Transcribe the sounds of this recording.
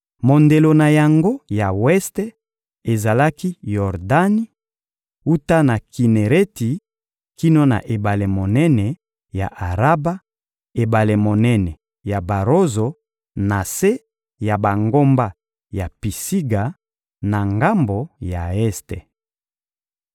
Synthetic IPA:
mo˨nde˨lo˨na˨ja˨ŋɡo˦ja˨wɛ˦ste˦ | e˨za˨la˦ki˦jɔ˨ʁda˦ni˦ | u˦ta˦na˨ki˨ne˨ʁe˦ti˨ | ki˦no˦na̰˨ʔe˨ba˨le˨mo˨nɛ˦nɛ˨ | ja̰˨ʔa˨ʁa˦ba˦ | e˨ba˨le˨mo˨nɛ˦nɛ˨ | ja˨ba˨ʁo˦zo˨ | na˨se˦ | ja˨ba˨ŋɡo˦mba˦ | ja˨pi˨si˦ɡa˨ | na˨ŋɡa˦mbo˨ja̰˨ɛ˦ste˨

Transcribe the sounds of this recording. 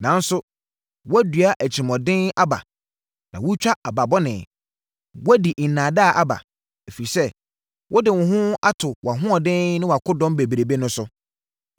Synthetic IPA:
nã˨˦n̩˦sʊ˦ | wɔ˦dɥa˦ʔæ˨t͡ɕʰi˨mɔ̃˨dɪ̃˦na˦ba̰˨ | nã̰˨wʊ˦t͡ɕᶣa˦a˨ba˨bɔ˦nɪ̃˨ | wɔ˦di˨nãː˨da˦˨ʔa˦ba̰˨ | e˨fi˨sɛ˦ | wʔɔ˦dɪ˨wʊ̃˨ɦʊ̃˦a˦tʰʊ˨wa˨ɦʊ̃˦ɔ˨dɪ̃˦nɪ̃˦wa˨kʰʊ˦dɔ̃˦mbe˨bi˨ɾe˨be˦nʊ̃˦sʊ˦

